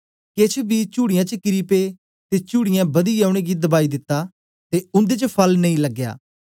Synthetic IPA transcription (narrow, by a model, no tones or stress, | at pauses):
ket͡ʃʰbit͡ʃuːɽɪjãt͡ʃəkɪɾiːpe | t̪et͡ʃuːɽɪjãbɐd̪iːaːʊɽ̃eɡid̪ɐbaːid̪ɪt̪ːaː | t̪eʊ̃nd̪et͡ʃəpʰɐlnɐĩləɡːja̰ː